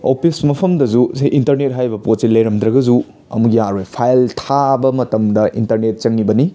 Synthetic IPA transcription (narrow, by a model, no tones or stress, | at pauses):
opʰismɐpʰɐmdɐzusejʔintɐɾnet̚ɦajbɐpot̚silɐjɾɐmd̪ɾɐɡɐzu | ɐ̰muɡijaɾojpʰajltʰabɐmɐtɐmdɐʔḭntɐɾnet̚t͡ʃɐŋnibɐni